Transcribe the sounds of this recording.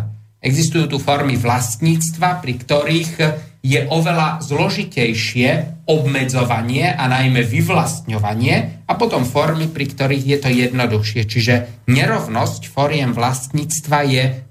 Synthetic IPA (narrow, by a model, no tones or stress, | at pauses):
ɛɡzist̪ujuːt̪ufɔɾmiʋlast̪ɲiːt͡st̪ʋapɾikt̪ɔɾiːɣ | jɛʔɔʋɛlazlɔʒicɛjʃɪɛɔbmɛd͡zɔʋaɲɪɛʔanajmɛʋiʋlast̪ɲɔʋaɲɪɛapɔt̪ɔmfɔɾmipɾikt̪ɔɾiːɣjɛt̪ɔjɛd̪nɔd̪uxʃɪɛt͡ʃiʒɛ | ɲɛɾɔʊnɔscfɔɾɪɛmʋlast̪ɲiːt͡st̪ʋajɛ